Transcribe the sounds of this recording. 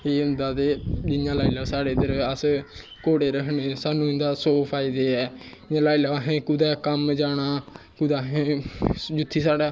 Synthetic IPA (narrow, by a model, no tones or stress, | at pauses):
eːənd̪aːd̪eːd͡ʒɪjãːlaːiləɾsaːɽeːd̪əɾəs | koːɽeːɾəkʰneːsaːnũːɪ̃nd̪aːsoːpʰaːɪd̪eːɛː | ãːlaːilaɦẽːkʊd̪aːkəmd͡ʒaːɽ̃aː | kʊd̪aːɦẽːd͡ʒʊt̪ʰːiːsaːɽaː